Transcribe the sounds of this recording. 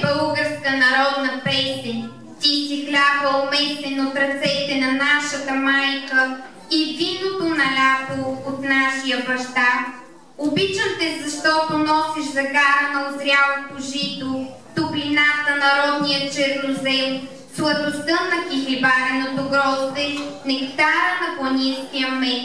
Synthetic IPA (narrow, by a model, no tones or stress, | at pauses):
bəlˠɡəɾskənɐɾɔd̪nɐpɛst̪ɛnʲ | t̪iːsiklʲavəomɛst̪ɛnot̪ɾɐt̪sɛt̪ɛnɐnaʃət̪əmajkə | ivinot̪onɐlʲat̪oot̪naʃijəbɐʃt̪a | obit͡ʃəmt̪ɛzɐʃt̪ɔt̪onɔsiʃzɐɡaɾɐnɐozɾʲjalˠot̪oʒit̪o | t̪oklinat̪ənɐɾɔd̪nijət͡ʃɛɾnozɛm | slˠɐd̪ost̪ənɐkixlibaɾɛnot̪oɡɾɔzt̪ɛnɛkt̪aɾənɐbɐnʲinskijəmɛk